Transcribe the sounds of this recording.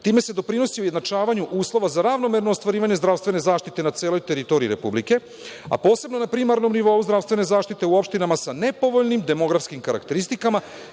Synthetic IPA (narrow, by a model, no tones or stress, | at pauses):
t̪iːme̞sed̪o̞pɾino̞siuje̞d̪nat͡ʃaːʋaɲuʔuːslˠo̞ʋazaɾaʋno̞me̞ɾno̞ost̪ʋaɾiːʋaɲe̞zd̪ɾavst̪ʋe̞ne̞zaːʃt̪it̪e̞nat̪se̞ːlo̞jt̪e̞ɾit̪o̞ɾiːɾe̞publike̞ | a̰po̞ːse̞bno̞napɾimaɾno̞mniʋo̞uzd̪ɾaʋst̪ʋene̞zaːʃt̪it̪e̞uo̞pʃt̪inamasane̞po̞ʋo̞ʎnimd̪e̞mo̞ɡɾafskimkaɾakt̪e̞ɾist̪ikama